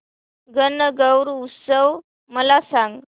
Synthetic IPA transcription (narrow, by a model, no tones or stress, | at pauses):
ɡənəɡəwɾuut̪səʋ | məlasãŋɡ